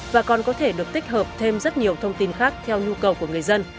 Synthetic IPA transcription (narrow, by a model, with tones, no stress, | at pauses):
vaː˨˩kɔ˨˩nkɔ˨˦t̪ʰe˧˩ɗɨ˨˩ək̚t̪ï˦˥k̟̚ɦəː˨˩p̚t̪ʰe˧mzə˦˥t̚ɲi˨˩əwt̪ʰə˧wŋ͡mt̪i˧nxaː˦˥k̚t̪ʰɛ˧wɲu˧kə˨˩wku˧˩əŋɨ˨˩əjzə˧n